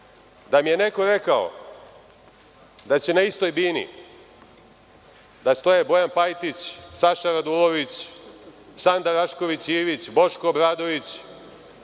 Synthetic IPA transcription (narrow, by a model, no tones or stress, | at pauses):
d̪amije̞ne̞ko̞ɾe̞kao̰ | d̪at͡ɕe̞naist̪o̞jbiːnḭ | d̪ast̪o̞jebo̞janpajt̪it͡ɕsaʃaɾad̪ulˠo̞ʋit͡ɕ | sand̪aɾaʃko̞ʋit͡ɕiːʋit͡ɕbo̞ʃkobɾaːd̪o̞ʋit͡ɕ